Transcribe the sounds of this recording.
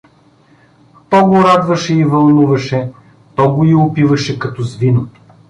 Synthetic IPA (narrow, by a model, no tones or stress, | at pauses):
t̪ɔɡoɾad̪vɐʃɛivɐlˠnuvɐʃɛ | t̪ɔɡoiʊpivɐʃɛkɐt̪ɔzvino